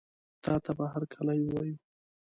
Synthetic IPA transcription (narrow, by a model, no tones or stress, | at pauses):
t̪ɑt̪abaɦaɾkʰalajwɑju